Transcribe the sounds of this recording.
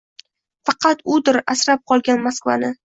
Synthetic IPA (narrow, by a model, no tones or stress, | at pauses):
fɑqʰɑt̪ʊd̪ɪɾasɾap̚qʰɒlˠɡʲanmaskva̰nɪ